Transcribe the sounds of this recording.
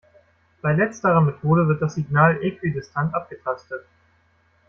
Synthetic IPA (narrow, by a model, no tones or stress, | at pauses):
b̥aɪlɛt͡stəʁɐmetʰoːɾəvɪɐt̚d̥asz̥iɡnaːlʔeːkʰv̥idɪstʰantʔap̚ɡ̥ətʰastət